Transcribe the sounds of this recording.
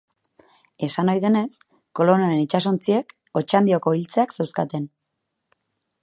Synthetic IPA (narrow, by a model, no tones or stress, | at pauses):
e̞sanajðe̞ne̞s | ko̞lo̞neɾe̞nit͡ʃaso̞nt͡sie̞k | o̞t͡ʃand̪io̞ko̞ilt͡se̞aksewskat̪e̞n